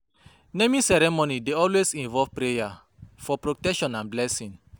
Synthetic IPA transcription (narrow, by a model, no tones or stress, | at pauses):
nemĩsɛɾɛmonideɔlwesĩnvɔvpɾeja | fɔpɹotɛkʃɔ̃nãnblɛsĩn